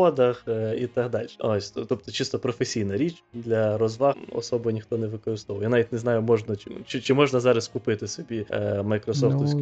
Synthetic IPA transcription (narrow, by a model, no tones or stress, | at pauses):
ɔd̪ɐxit̪ɐɦd̪ɑlʲʃɛ̥osʲt̪t̪ɔpt̪ɔt͡ʃɪst̪ɔpɾɔfesʲijnɐɾʲit͡ʃd̪lʲɐɾɔzʋɑɔ̰sɔbʊnʲixt̪ɔnɛʋɪkɔɾɨst̪ɔʋɐwjanaʋʲitʲneznɑjʊmɔʒnɐt͡ʃɪt͡ʃɪt͡ʃɪmɔʒnɐzɑɾɐskʊpɪt̪ɪsɔbʲimɐjkɾɔsɔft̪usʲ